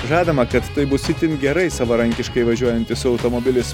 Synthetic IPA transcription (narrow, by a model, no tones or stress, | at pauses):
ʒɑːd̪ɐmɐkɐt̪ːɐɪbʊsʲɪt̪ʲɪnɡʲɛɾɐɪsɐʋɐɾɐŋʲkʲɪʃkɐɪʋɐʒʲuɔjɛnʲt̪ʲɪsʊɐʊt̪omoːbʲɪlʲɪs